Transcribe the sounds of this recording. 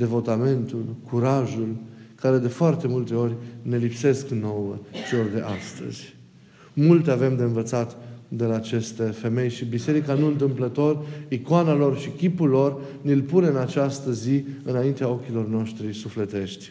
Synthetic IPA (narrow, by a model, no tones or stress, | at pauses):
d̪e̞vo̞t̪ame̞nt̪ulkuɾaʒulkaɾe̞d̪e̞foart̪e̞mult̪e̞o̞rʲne̞lipse̞skno̞wə̰t͡ʃeo̞rd̪e̞̰ʔast̪ə̰z̥ʲ | mult̪e̞ave̞md̪e̞ɨnvət̪sat̪d̪e̞laːt͡ʃe̞st̪e̞fe̞me̞jʃibise̞ɾikanuɨnt̪̬ɨmplət̪o̞rikoanalo̞rʃikʲipulːo̞rnilpune̞ɨnat͡ʃast̪əziɨnaint̪eao̞kʲilo̞rno̞ʃt̪ɾisufle̞t̪e̞ʃt̪ʲ